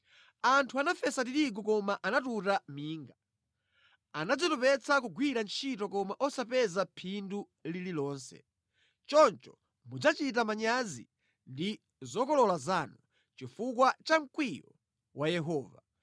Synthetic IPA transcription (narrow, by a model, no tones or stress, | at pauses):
antʰuanafɛsat̬iɾiɡ̬ɔkɔmaʔanatutamiːŋɡa | anad͡zɔtɔpɛt͡sʰakuɡwiɾant͡ʃʰitɔkɔmaʔɔsapɛzapʰindu | lililɔːnsɛ̰ | t͡ʃɔnt͡ʃɔ̥ | mud͡zat͡ʃit̬amaɲazḭ | ndi | zɔkɔlɔlazanu | t͡ʃifukwat͡ʃaŋ̩kwijɔ̰ | wajɛɦɔːva